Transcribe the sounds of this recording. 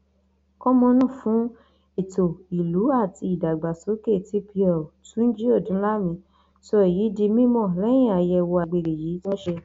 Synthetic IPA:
kɔ˦mɔ̃˧nã˦˨fũ˨˦ | e˦˨to˨i˨lu˨˦a˦˨ti˧i˨da˨ɡ͡ba˨so˨˦ke˦˨ti˨˦pʰi˧ɔ˨tũ˦n̩˦d͡ʒi˦o˦˨dũ˨˦la˦mĩ˧ | so˧e˨ji˨˦di˧mĩ˦mɔ̃˦˨lɛ̃˦ĩ˦˨a˨jɛ˧wo˧a˧ɡ͡be˧ɾe˨ji˨˦tɔ̃˦ʃe˧

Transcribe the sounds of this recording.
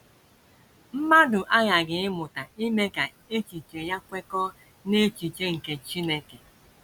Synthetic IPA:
m̩˦ma˦dʊ˨ʔa˦ɣa˨ɡɪ˨ɪ˦mʊ˨ta˨i˦me˦ka˨ | e˦t͡ʃi˨t͡ʃe˨ja˦kʷe˦kɔ˦ | ne˦t͡ʃi˨t͡ʃe˦ŋ̩˨ke˨t͡ʃi˦ne˦ke˨

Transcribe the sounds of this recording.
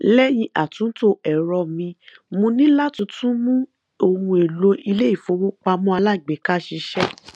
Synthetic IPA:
lɛ˦j̃ĩ˧ʔa˨tũ˨˦to˦ɛ˨ɾɔ˧˨mĩ˧ | mũ˧nĩ˦la˦tũ˧tʰũ˦mũ˦ | o˧hũ˧e˨lo˧ʔi˧le˦i˦˨fo˨˧˦wo˦k͡pa˧mɔ̃˦a˧la˦˨ɡ͡be˨ka˦ʃi˧ʃɛ˦

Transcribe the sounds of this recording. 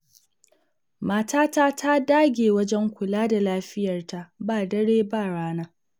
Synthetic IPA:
maː˨taː˦taː˦tʰa˦daː˦ɡʲeː˨wɐ˦d͡ʒɛ˦ŋkʷʊ˨laː˦da˨laː˦ɸɪ˦jɐ˨rta˨baː˦˨dɐ˦ɽeː˦baː˦˨ɽaː˦naː˦

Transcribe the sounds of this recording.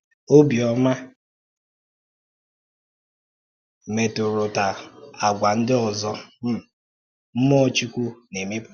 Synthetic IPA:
o˦bi˨ɔ˦ma˦ | me˨tʊ˨ɾʊ˨ta˨a˨ɡʷa˨n̩˦dɪ˦ɔ˨zɔ˦m̩˦ | m̩˦mɔ˦t͡ʃi˦kʷu˦ne˨me˦b

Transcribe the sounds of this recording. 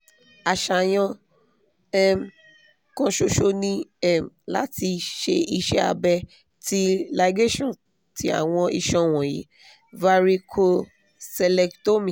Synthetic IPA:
a˨ʃa˨j̃ɔ̃˧ | ɛ˦m˨ | kɔ̃˧ʃo˧ʃo˧nĩ˧ɛ˦˨m˨la̰˦ti˧ʃe˧i˧ʃɛ˦a̰˧bɛ˧ | ti˦la˧ɡe˦ʃɔ̃˦˨ | ti˨˦a̰˦˨w̃ɔ̃˧i˧ʃɔ̃˧w̃ɔ̃˨jḭ˨˦ | va˧ɾi˧kʰo˧ | sɛ˧lɛ˧kto˦mĩ˨

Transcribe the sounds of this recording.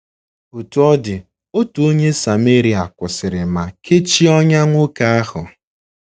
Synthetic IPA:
o˨tu˨ɔ˦dɪ˨ | o˦tu˨o˦ɲe˦sa˨me˦ɾi˨a˨kʷʊ˨sɪ˨ɾɪ˨ma˨ke˦t͡ʃi˦ɔ˦ɲa˦ŋʷʊ˦ka˨a˦hʊ˨

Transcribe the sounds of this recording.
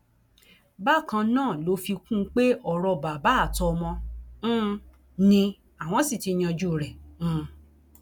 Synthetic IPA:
ba˦˨kã˧nãː˦˨lo˨˧˦fi˧kũ˦˧˦k͡pe˦ʔɔ˦˨ɾɔ˧ba˨ba˨˦˨tɔ˧mɔ̃˧˦˧ | nĩ˧ | a˨w̃ɔ̃˨˦si˦˨ti˧ɲ̃ã˧d͡ʒu˦˨ɾɛ̃˨˦˧

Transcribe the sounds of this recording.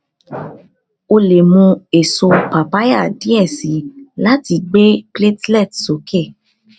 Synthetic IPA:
o˧le˨mũ˧e˨so˧pa˨pa˦ja˦˨di˨˦ɛ˦˨si˨˦la˦ti˧ɡ͡be˦kle˦tlɛ˦˨tso˨kʰɛ˦˨

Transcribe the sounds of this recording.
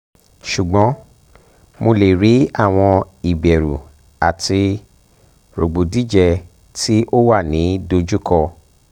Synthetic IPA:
ʃu˨ɡ͡bɔ̃˨˦ | mo˧le˨ɾi˨˦a˦˨w̃ɔ̃˧ | i˨bɛ˨ɾu˨ | a˨ti˧ | ɾo˨ɡ͡bo˨di˦d͡ʒɛ˦˧ | tʰi˦ʔo˦wa˦˨nĩ˨˦do˧d͡ʒu˦kɔ˧

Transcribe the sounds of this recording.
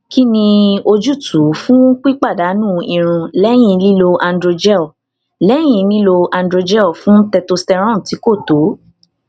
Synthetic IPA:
ki˦nĩ˧o˧d͡ʒu˦˨tʰu˨˦fũ˦k͡pi˦k͡pa˦˨da˨˦nũː˦˨i˧ɾ̃ũ˧lɛ˦j̃ĩ˦˧li˦lo˧ʔa˧ndɾo˧d͡ʒɛ˦ɔ˨ | lɛ˦j̃ĩ˧˨˧li˦lo˧ã˧ndɾo˧d͡ʒɛ˦ɔ˦˨fũ˦tɛ˧to˧stɛ˧ɾ̃ɔ̃˦˨ti˨˦ko˦˨to˨˦

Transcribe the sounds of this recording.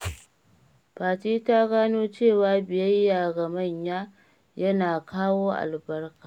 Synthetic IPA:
paː˨tiː˦ta˦ɡaː˦noː˦t͡ʃeː˦˨waː˨bɪ˨jɐ˦jːaː˨ɡɐ˨mɐ˦˨ɲjaː˦ | jɐ˦naː˨kʰaː˦woː˦ʔa̰˨lbɐ˦rkaː˨

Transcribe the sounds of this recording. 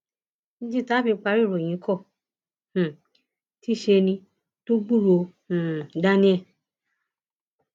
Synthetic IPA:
nĩ˦d͡ʒi˦taː˦bi˧˦k͡pa˧ɾi˦˨ɾo˨j̃ĩ˨˦kʰɔ˦˨ | h̩˨ | ti˦ʃe˧nĩ˧ | to˦ɡ͡bu˦˨ɾõ˧˨ | da˦nĩ˦ɛ˦˨

